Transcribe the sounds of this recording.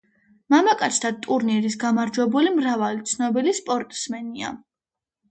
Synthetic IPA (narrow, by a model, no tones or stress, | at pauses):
mamakʼat̪sʰd̪ʰat̪ʼuɾniɾisɡamaɾd͡ʒwɛbulimɾavalit̪sʰnɔbilispʼɔɾt̪ʼsmɛnia̰